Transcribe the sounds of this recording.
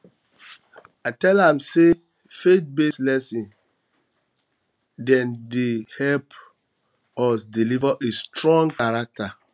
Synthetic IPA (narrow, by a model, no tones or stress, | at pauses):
atɛlãmse | fet̚beslɛsĩn | dɛ̃ndehɛlp | wɔsdilivaʔestɹɔ̃ŋɡkaɹak̚ta